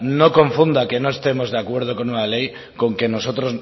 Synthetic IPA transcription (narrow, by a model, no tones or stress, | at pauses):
no̞ko̞ɱfund̪ake̞no̞e̞st̪e̞mo̞zðeakwe̞ɾð̞o̞ko̞nunale̞j | ko̞ŋke̞no̞so̞t̪ɾo̞z